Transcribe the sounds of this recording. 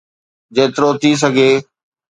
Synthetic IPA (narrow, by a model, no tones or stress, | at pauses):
d͡ʑeːt̪ɪɾot̪ʰis̬əɡʱeː